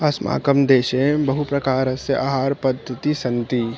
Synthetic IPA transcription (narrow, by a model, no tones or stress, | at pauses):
ɐsma̰ːkəmd̪eːʃẽbɐɦupɾɐkaːɾəsəʔaːɦaːɾpɐd̪ʱːət̪isɐ̃nt̪i